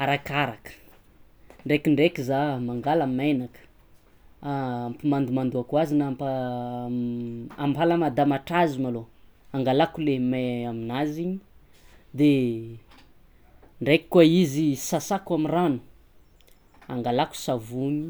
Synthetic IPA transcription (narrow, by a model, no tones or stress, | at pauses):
aɾakaɾakə̥ | ɳɖ͡ʐekiɳɖ͡ʐekizamaŋɡalamenakə̥ | mpimand̪umand̪uakwazinampa | ampalamad̪amaʈ͡ʂazimaloaŋɡalakulemaaminaziɲi | d̪e | ɳɖ͡ʐekʲi̥kːuaizisasakwamiranu̥ | a̰ŋɡalaku̥savuɲi